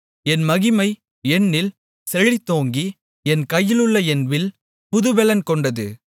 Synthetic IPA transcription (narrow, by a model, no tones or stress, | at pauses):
ɛnmɐɣɪmɐɪ | ɛnːɪl | sɛɻit̪ːoːŋɡi | ɛnkɐjːɪlɯɭːɐɛnʋɪl | pʊðɯʋɛlɐnkɔɳɖɐðɯ̰